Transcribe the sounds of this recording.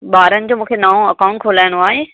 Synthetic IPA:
ɓaːɾənɪ̆d͡ʑoːmũːkʰenaːõɐkãʊ̃ɳʈ̚kʰoːlaːɪɽ̃oaːɦeː

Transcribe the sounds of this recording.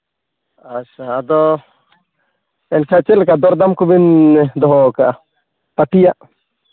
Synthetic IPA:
at͡ʃaːd̪ɔ | ɛnkʰat͡ʃɛlɛkad̪ɔɾd̪amkubind̪ɔɦɔkaʔa | p̪aʈijaʔ

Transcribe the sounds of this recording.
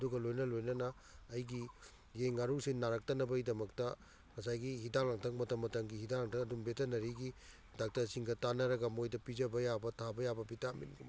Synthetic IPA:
ɐduɡɐlojnɐlojnɐnɐː | jɡi | jeŋːaɾusinnːaɾak̚tɐnɐbɐidɐmɐk̚tɐ | ŋɐs̬ajɡihidaŋlaŋtʰɐk̚mɐtɐmːɐtɐŋɡihidaŋlaŋtʰɐkɐdumbetɐnɐɾiɡi | dak̚tɐsiŋɡɐtanɐɾɐɡɐmojdɐpid͡ʒɐbɐjabɐtʰabɐjabɐbitamḭnɡum

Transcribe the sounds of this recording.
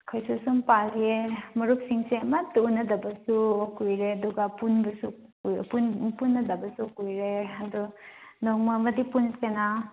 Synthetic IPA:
kʰajsusumpalemɐɾuk̚siŋseɐmɐtuunːɐdɐbɐsukujɾeɐduɡapunbɐsu | upunpunːɐdɐbɐsukujɾeɐdunoŋmɐmɐdipunsena

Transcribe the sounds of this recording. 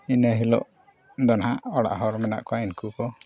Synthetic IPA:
inaɦilɔ̰ʔ | d̪ɔnhaɔɽa̰ʔɦɔɾmɛna̰ʔkɔainkukɔ

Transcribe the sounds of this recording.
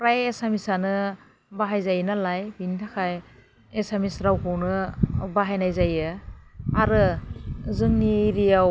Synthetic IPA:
pɾajesamisanɯ | baɦajzajnalajbintʰakʰaj | esamisɾawkʰɯwnɯbaɦajnajzajɯ | aɾɯ | zɯŋniɾijaw

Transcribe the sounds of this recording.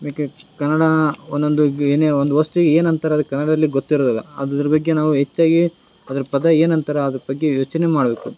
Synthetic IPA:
bekekɐnːɐɽɐond̪ond̪ueːneond̪uʋɐst̪uɡeeːnɐnt̪ʰɐɾɐɐd̪kɐnːɐɽɐd̪ɐlːiɡot̪ːiɾoːd̪ɐlːɐ̰ɐd̪d̪ɾɐbɐɡːenaːʋuɦet͡ʃːaːɡi | ɐd̪ɐɾɐpɐd̪ɐeːnɐnt̪ɐɾeɐd̪ɐɾɐbɐɡːe̞joːt͡ʃɐnemaːɽbe̞ːku

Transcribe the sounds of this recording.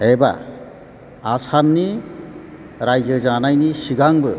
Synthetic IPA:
eba̰ | asamni | ɾajd͡ʒəd͡ʒanajnisiɡaŋbɯ

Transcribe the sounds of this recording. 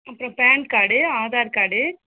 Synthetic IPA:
ɐpːɯɾõpɛːnkaːɽɯaːðaːɾkaːɽɯ

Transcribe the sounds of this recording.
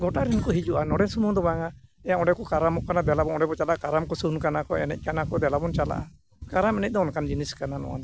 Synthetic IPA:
ɡɔʈaɾinkɔɦid͡ʒuʔanɔɽɛnsumũd̪ɔbaŋaɛjaɔ̃ɖɛkɔkaɾamɔʔkanad̪ɛlabɔnɔɖɛbɔt͡ʃalaʔakaɾamkɔsuunkanakɔɛ̰nɛc̚kanakɔd̪ɛlabɔnt͡ʃala̰ʔa̰ | kaɾamɛnɛc̚d̪ɔɔnkand͡ʒiniskananɔ̰wa̰d̪ɔ

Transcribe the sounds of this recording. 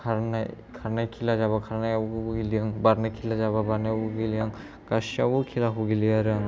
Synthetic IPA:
kʰaɾna̰j | kʰaɾnajkʰilazaβakʰaɾnajaɡilijaŋbaɾnajkʰilazaβabanauɡilijaŋ | kasiabukʰilaɦuɡilijaɾɯjaŋ

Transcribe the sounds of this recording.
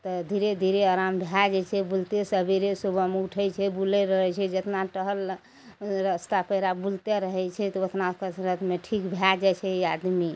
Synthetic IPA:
t̪ɔd̪ʱiɾed̪ʱiɾeəɾambʱjad͡ʒɛt͡ʃʰɛbult̪esəbiɾesubʱəmuʈʰəjt͡ʃʰɛbulɛɾəɦɛt͡ʃʰɛd͡ʒət̪naʈəɦəl | ɾəst̪apəjɾabult̪eɾəɦɛjt͡ʃʰɛt̪ɔʋət̪ʰnakəsɾət̪ʰmeʈʰikbʱjad͡ʒɛt͡ʃʰɛiad̪mi

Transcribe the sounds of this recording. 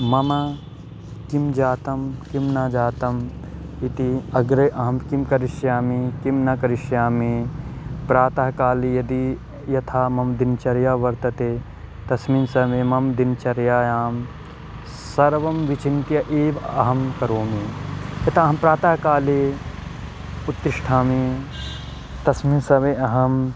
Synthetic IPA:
mɐma | kimd͡ʒaːt̪ɐmkimnaːd͡ʒaːt̪ɐm | it̪iɐɡɾɐʔɐɦɐmkimkɐɾɪʃjaːmekimnakɐɾɪʃjaːme | pɾaːt̪ɐːɦkaːlejɐd̪i | jɐt̪ʰaːmɐmd̪int͡ʃɐɾjaːʋɐɾt̪ɐt̪eː | t̪ɐsminsɐmemɐmd̪int͡ʃɐɾjaːjaːm | sɐɾʋɐmʋit͡ʃint̪jɐʔeːbɐɦɐmkɐɾoːmejɐt̪ʰaɐɦɐmpɾaːt̪aːɦkaːle | ut̪ːɾɪʃʈʰaːme | t̪ɐsminsɐʋeʔɐɦɐm

